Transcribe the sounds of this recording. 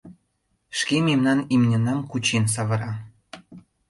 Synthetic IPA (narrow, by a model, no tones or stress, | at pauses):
ʃkememnɑnimnʲɤ̆nɑmkut͡ɕens̬ɑβɤ̆ɾɑ